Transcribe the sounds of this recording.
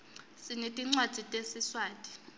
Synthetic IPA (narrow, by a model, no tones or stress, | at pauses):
sinetʼiŋ͡ǀwad̥z̥ʱitʼesiswaːtʼi̥